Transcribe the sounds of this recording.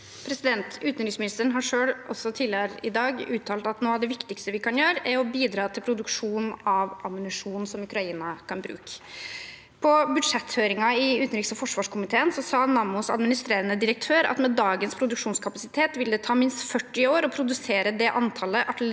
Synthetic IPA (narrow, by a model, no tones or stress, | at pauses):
pʰɾɛsɪd̪ɛnt̪ʉːt̪nɾiːksmɪnɪst̪əɳɦɑʂøːɽɔsːɔt̪ʰiːləəɾɪ̰d̪ɑːɡʉːt̪ʰːɑːlt̪ɑt̪noːɑʋd̪ɛʋɪkt̪ɪkst̪əʋɪkʰɑnjøːɾæɾɔbiːd̪ɾɑːt̪ʰɪlpʰɾʊd̪ʉkʂuːnɑʋɑmʊnɪʂuːnn̩sɔmʉkɾɑiːnɑkʰɑnbɾʉ̰ːkə̥ | pʰɔbʉd̪ʂɛt̪ːføːɾɪŋɑɪʉːt̪n̩ɾiːksɔfɔʂʋɑːʂkʰʊmɪt̪ʰeːənsɔsɑːnɑmʊsɑ̰d̪mɪnɪst̪ɾeːɾənəd̪ɪɾək̚t̪ʰøːɾɑ̰t̪mɛd̪ɑːɡənspʰɾʊd̪ʉkʂuːnskʰɑpɑsɪt̪ʰeːt̪ʋɪld̪ɛt̪ʰɑːmɪnst̪fœʈːɪoːɾɔpʰɾʊd̪ʉseːɾəd̪ɛʔɑnt̪ʰɑləʔɑʈ